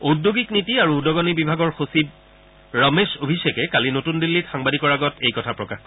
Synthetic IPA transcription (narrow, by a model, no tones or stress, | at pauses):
odjoɡiknitiaɹuːdɔɡɔnibibʱaɡɔɹxosid̚ | ɹɔmesobʱisekɛkalinotundilːitxaŋbadikɔɹaɡɔtʰejkɔtʰapɹɔkaxk